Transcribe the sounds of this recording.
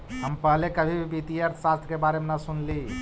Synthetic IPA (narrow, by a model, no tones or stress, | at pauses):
ɦəmpəɦlekəbʱibʱibit̪ijəɾt̪ʰsast̪ʰəkebaɾemnasunli